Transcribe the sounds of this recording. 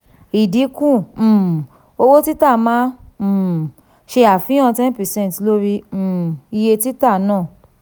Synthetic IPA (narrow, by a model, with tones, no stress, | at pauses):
i˨di˨˦kũ˦˨ | o˧wo˦ti˦ta˦˨mã˦˨ | ʃe˧a˨fĩ˨˦ã˦˧tɛ̃˦n˦pɛ˨sɛ̃˦˨tlo˦ɾi˧˨i˧je˧ti˦ta˦˨nãː˦˨